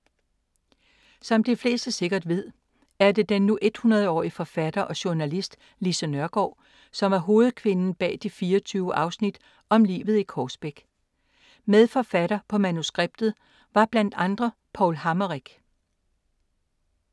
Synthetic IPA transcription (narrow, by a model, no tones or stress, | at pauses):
sɒ̽md̥ifle̝̰ːsd̥əse̝ɡ̥ɐd̥ʋe̝ð̞̰ˠ | æɐd̥e̝d̥enːuʔe̝d̥hunɐðˠəɒ̰ːiəfɒ̽fæd̥ɐʔɒ̽ɕuɐnælisd̥ | lisənɶɐɡ̥ɒ̰ː | sɒ̽mʋɑ̈ɦo̝ːð̩ˠkʰʋe̝nn̩b̥ɛ̰ːd̥ifiːɐt͡sʰyːʊəʔɑ̈ʊsnid̥ | ɒ̽mlḭːʋð̩ˠikʰɒːsb̥eɡ̥ | með̞ˠfɒ̽fæɾ̥ɐpʰɒ̽mænusɡ̥ʁeb̥̚d̥ð̞̩ˠ | ʋɑ̈b̥læn̰d̥ɑ̈nd̥ʁɐpʰɒʊlhɑ̈mɐʁiɡ̥